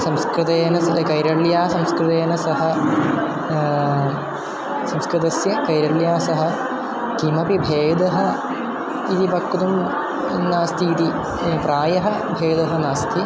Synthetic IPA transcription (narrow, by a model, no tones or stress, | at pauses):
sɐmskɾɨt̪ɐjɐnɐsɐkɐjɾɐɭjaːsɐmskɾɨt̪ɐjɐnɐsɐɦɐ̆ | sɐmskɾɨt̪ɐsjɐkɐjɾɐɭjaːsɐɦɐ̆ | k̪imɐpibʱeːd̪ɐɦɐ̆ | id̪ibɐkːut̪um | naːst̪ʰiːt̪i | praːjɐɦɐ | bʱeːd̪ɐɦɐnaːst̪ʰi